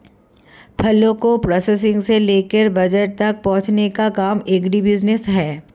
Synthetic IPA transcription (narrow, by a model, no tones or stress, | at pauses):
pʰɐlːõkopɾɔːses̬ɪ̃ŋɡseleːkəɾbɐd͡ʒəʈ̚t̪ɐk̚pɔ̃ɦʊ̃t͡ʃnekakaːmeːkɖibɪd͡ʒnɪsɦɛː